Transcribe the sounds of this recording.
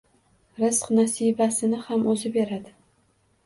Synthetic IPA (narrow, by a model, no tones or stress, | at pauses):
ɾɪsqnasijbasɪnɪhamʔɵzɪbeɾad̪ɪ